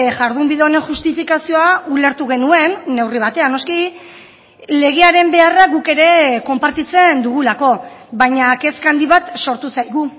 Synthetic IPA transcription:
ʝaɾðumbiðeone̞ʝust̪ifikasio̞aule̞ɾt̪uɣe̞nue̞nːe̞wriβ̞at̪e̞ano̞ski | le̞ɣ̞e̞aɾe̞mbe̞araɣuke̞ɾe̞ko̞mpaɾt̪it͡se̞nd̪uɣ̞ulako̞βajɲake̞skand̪iβat̪so̞ɾt̪usajɣ̞u

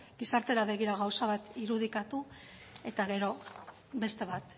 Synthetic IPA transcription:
ɡisaɾt̪e̞ɾaβ̞e̞ɣ̞iɾaɣawsaβat̪iɾuð̞ikat̪u | e̞t̪aɣe̞ɾo̞ | be̞st̪e̞βat̪

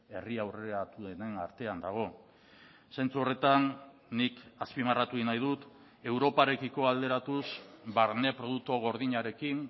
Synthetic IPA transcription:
e̞riawre̞ɾat̪uðenenaɾt̪e̞and̪aɣ̞o̞ | se̞nt͡suo̞re̞t̪anː | ikaspimarat̪uinajðut̪ | e̞wɾo̞paɾe̞kiko̞ald̪e̞ɾat̪usbaɾne̞pɾo̞ðuk̚t̪oɣ̞o̞ɾðiɲaɾe̞kin

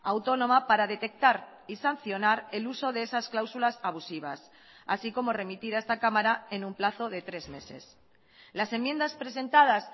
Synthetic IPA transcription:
awt̪o̞nõ̞mapaɾaðe̞t̪e̞k̚t̪aɾ | isan̟θjo̞naɾe̞luso̞ð̞e̞esasklawsulasaβusiβ̞a̰s | a̰siko̞mo̞re̞mit̪iɾae̞st̪akamaɾae̞numplaθo̞ðe̞t̪ɾe̞zme̞̰se̞̰s | lase̞mːje̞nd̪aspɾe̞se̞nt̪að̞as

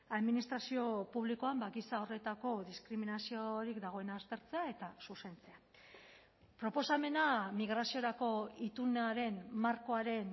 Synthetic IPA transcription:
aðminist̪ɾasio̞puβlikoambaɣisao̞re̞t̪ako̞ðiskɾiminasio̞ɾikd̪aɣ̞o̞e̞naːst̪e̞ɾt͡se̞ae̞t̪asuse̞nt͡se̞a | pɾo̞po̞same̞namiɣɾasio̞ɾako̞it̪uneaɾe̞nmaɾko̞aɾe̞n

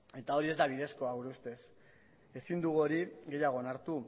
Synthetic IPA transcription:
e̞t̪ao̞ɾie̞zd̪aβ̞iðe̞sko̞aɣuɾust̪e̞s | e̞sind̪uɣuoɾiɣe̞jaɣ̞o̞enaɾt̪u

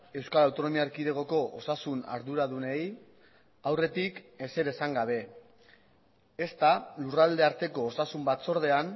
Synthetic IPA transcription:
e̞wskalawt̪o̞no̞miaɾkiðe̞ɣ̞o̞ko̞ʔosasuna̰ɾðuɾaðunej | awre̞t̪ike̞se̞ɾe̞saŋɡaβ̞e̞ | est̪alurald̪e̞aɾt̪e̞ko̞ːsasumbat̪so̞ɾðe̞an

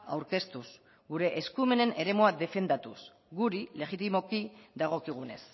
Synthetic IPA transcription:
a̰wɾke̞st̪us | ɡuɾe̞ʔːskume̞ne̞ne̞ɾe̞moaðe̞fe̞nd̪at̪us | ɡuɾile̞ɣit̪imo̞kiðaɣ̞o̞kiɣ̞une̞s

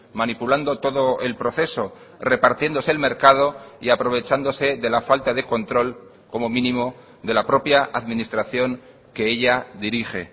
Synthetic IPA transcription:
manipuland̪o̞t̪o̞ðo̞e̞lpɾo̞θe̞so̞ | re̞paɾt̪je̞nd̪o̞se̞ːlme̞ɾkað̞o̞ḭapɾo̞βe̞t͡ʃand̪o̞se̞ðe̞lafalt̪aðeko̞nt̪ɾo̞l | ko̞momĩnĩmo̞ | d̪e̞lapɾo̞pjaaðmĩnist̪ɾaθjo̞ŋ | ke̞eʎaðiɾixe̞

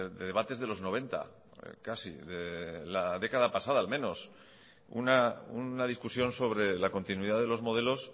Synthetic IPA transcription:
ðeðe̞βat̪e̞zðe̞lo̞zno̞β̞e̞nt̪a̰ | kasḭðe̞laðe̞kaðapasaðaːlmẽ̞no̞s | ṵnaunað̞iskusjo̞nso̞βɾe̞lako̞nt̪inuiðaðe̞lo̞zmo̞ð̞e̞lo̞s

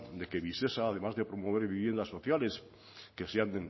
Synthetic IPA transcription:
d̪ekeβisesaːð̞e̞mazðepɾo̞moβ̞eɾβiβje̞nd̪asːo̞θjale̞s | kesean

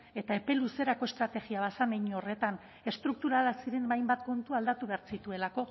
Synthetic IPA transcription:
e̞t̪ae̞pe̞luse̞ɾako̞est̪ɾat̪e̞ɣiaβasameɲore̞t̪an | e̞st̪ɾuk̚t̪uɾalasiɾe̞nbajmbat̪ko̞nt̪uald̪at̪uβe̞aɾt͡sit̪ue̞lako̞

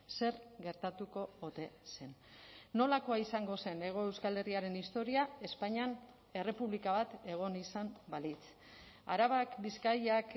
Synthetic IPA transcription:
se̞ɾɣe̞ɾt̪at̪uko̞ot̪e̞se̞nːo̞lako̞aisaŋɡo̞se̞ne̞ɣ̞o̞e̞wskale̞riaɾe̞nist̪o̞ɾiae̞spaɲian | e̞re̞puβlikaβat̪e̞ɣ̞o̞nisambalit͡s | a̰ɾaβakbiskajak

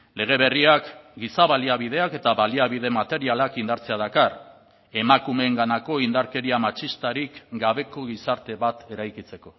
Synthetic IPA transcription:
le̞ɣ̞e̞β̞e̞riakɡisaβaliaβ̞ið̞e̞ake̞t̪aβaliaβ̞ið̞e̞mat̪e̞ɾialakind̪aɾt͡se̞að̞akar | e̞makume̞ːŋɡanako̞ind̪aɾke̞ɾiamat͡ʃist̪aɾikɡaβe̞ko̞ɣisaɾt̪e̞βat̪e̞ɾajkit͡se̞ko̞

